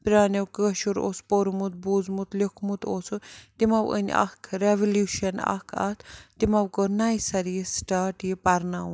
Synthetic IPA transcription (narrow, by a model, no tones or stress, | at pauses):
pɾʲaːnʲɐwkəʃuɾo̰ːspoɾmut̪̚buːzmut̪lʲikʰmut̪oːsut̪imɐwə̰nʲɐ̰kʰɾeʋɐljuːʃɐnɐ̰kʰɐ̰t̪ʰt̪imɐwkənaːjsɐɾisʈaːʈipɐɾnaun